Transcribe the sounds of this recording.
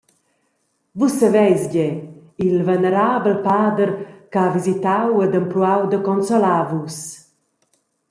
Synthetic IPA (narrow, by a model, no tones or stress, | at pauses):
vusavɛjsɟɛilvɛnəɾaːbəlpaːd̪əɾkavizit̪awɛd̪əmpluawd̪əkɔnsɔlaːvus